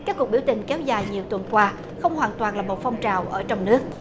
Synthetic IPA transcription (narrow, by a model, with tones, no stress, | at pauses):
kaː˦˥kːu˨˩ək̚ɓwt̪ï˨˩ŋ̟kɛ˨˦wzaː˨˩jɲi˨˩əwt̪wə˨˩nkwaː˧ | xə˧wŋ͡mhwaː˨˩nt̪waː˨˩nlaː˨˩mo˨˩t̚fɔ˧wŋ͡mt͡ɕaː˨˩wʔəː˧˩t͡ɕɔ˧wŋ͡mnɨ˦˥ək̚